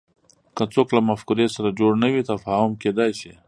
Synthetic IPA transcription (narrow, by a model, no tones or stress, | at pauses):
kat͡soklamafkʊɾesaɾad͡ʒoɽnawit̪afaːhʊmked̪ajʃi